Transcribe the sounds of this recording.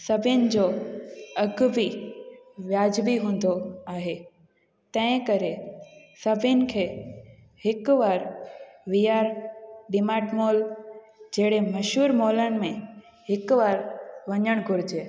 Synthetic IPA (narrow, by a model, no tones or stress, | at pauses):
sɐbʱɪnɪ̆d͡ʑoːɐɡbi | ʋjaːd͡ʑbiɦũːn̆d̪oaːɦeː | t̪ɐ̃ɦɪ̃kɐɾesɐbʱɪnɪ̆kʰeː | hɪkʋaːɾʋijaːɾɖɪmaːʈmoːl | d͡ʑeːɽemɐʃuːɾmoːlənɪ̆mẽ | hɪkʋaːɾʋɐɲəɽ̃ɡʱʊɾɪd͡ʑeː